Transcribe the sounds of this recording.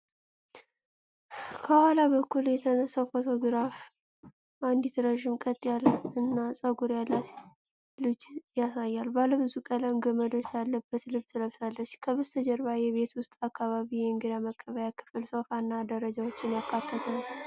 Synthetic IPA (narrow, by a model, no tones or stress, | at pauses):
kʰəhalaβəkʰːuljɛt̪ʰənəsawfo̞t̪ʰo̞ɡɨɾaf | ʔand̪it̪ʰɨɾəʒɪmkʼət̪ʼːijalɨnːasʼəɡuɾjalːat̪ | lɨd͡ʒjasajːalbaləβɨzukʼələɨɡəməd̪ot͡ʃjalːəbːət̪lɨβt̪ʰɨləβsalːət͡ʃːkʰəβəst̪əd͡ʒɛɾβajɛβe̞t̪wʊst̪ʼakːaβaβijɨŋɡɨd̪aməkʼːəβəjakʰɨ̥fɨlso̞fanːad̪əɾəd͡ʒawot͡ʃːɪnjakʰːat̪ʰːət̪ʰən